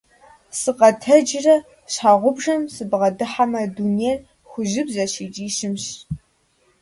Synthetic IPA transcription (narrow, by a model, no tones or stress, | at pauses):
sɨqɐtʰɐd͡ʒɪrɐ | ɕħaːʁʷʊbʒɐmsɨbʁɐdɨħamɐduneːr | xʷʊʒɪbzɐɕiːt͡ʃʼiːɕɪmɕ